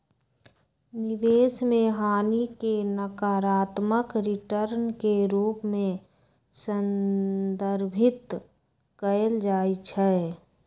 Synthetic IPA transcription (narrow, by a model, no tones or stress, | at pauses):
nɪʋeːsmẽɦaːnikenəkaːɾaːt̪məkɾɪʈəɾnkeɾuːpmẽ | sənd̪əɾbʱɪt̪ | kəld͡ʒaːit͡ʃʰɛ